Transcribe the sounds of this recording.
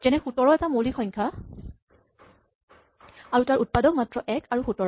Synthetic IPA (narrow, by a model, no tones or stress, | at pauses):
tɛnɛxutɔɹɔɛtamolixɔ̃jɲkʰa | aɹutaɹut̚padɔk̚matɹɔʔɛkaɹuxutɔɹɔ